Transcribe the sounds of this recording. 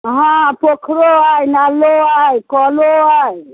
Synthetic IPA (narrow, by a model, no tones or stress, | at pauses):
ɦãpokʰɾoajnaloajkɔloaj